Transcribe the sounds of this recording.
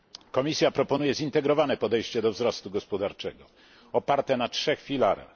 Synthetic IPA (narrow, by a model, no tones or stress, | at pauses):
kɔmʲisʲjapɾɔpɔnujɛzint̪ɛɡɾɔvanɛpɔd̪ɛjɕt͡ɕɛd̪ɔvzɾɔst̪uɡɔspɔd̪aɾt͡ʂɛɡɔ | ɔpaɾt̪ɛnatʂɛxfʲilaɾa̰x